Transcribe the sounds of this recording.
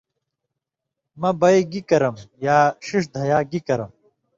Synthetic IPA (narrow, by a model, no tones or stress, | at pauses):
mɐbɐiɡikɐɾɐmjaːɕiʂ̬d̪ʱɐjaːɡikɐɾɐm